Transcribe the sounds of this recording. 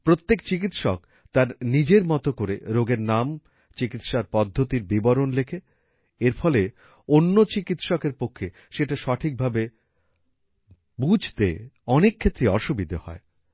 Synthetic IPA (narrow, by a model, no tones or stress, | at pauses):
pɾot̪ːekt͡ɕik̬it̪ʃɔk | t̪aɾnid͡ʑeɾmɔt̪okoɾḛɾoɡeɾnam | t͡ɕikit̪ʃaɾpɔd̪ʱːot̪iɾbibɔɾonlekʰe | eɾfɔle | onːot͡ɕikit̪ʃɔkeɾpokʰːe | ʃeʈaʃɔʈʰik̚bʱabe | bud͡ʑʱt̪ḛɔnekʰːet̪ːɾeɔʃubid̪ʱohɔ̰e